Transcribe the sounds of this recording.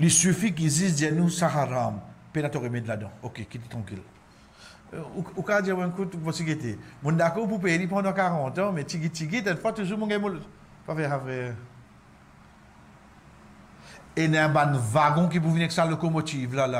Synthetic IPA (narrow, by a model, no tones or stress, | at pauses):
lisyfik̬izisdɛnusakaʁampenat̪ɔʁemed̪ladɑ̰̃okekit̪et̪ʁɑ̃kil | uukad͡ʒiwɛ̃kutuvɔsiketemũndakɔp̬up̬eɾip̬ɑ̃dɔ̃kaʁɑ̃tɔ̃mɛtiɡit͡ʃiɡit̪̬ɛnfɔt̪uzumũɡɛmul | pafɛhavʁɛ | enɛ̃banvaɡɔ̃k̬ip̬uvinɛksalokomotivlala